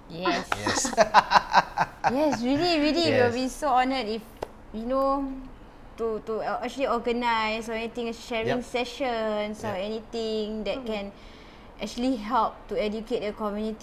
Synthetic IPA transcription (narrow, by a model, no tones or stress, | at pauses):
jɛss | jɛsɹiliɹiliwilbisoɔnətif | juno | tutuɛk̚t͡ʃəliɔɡənaɪsɔɛnit̪ĩŋʃɛɹĩŋsɛʃə̃nsɔɛnit̪ĩŋdɛt̚kɛ̃n | ʔɛk̚t͡ʃuəliɦɛlp̚tuɛdjuket̚dəkɔmjuniti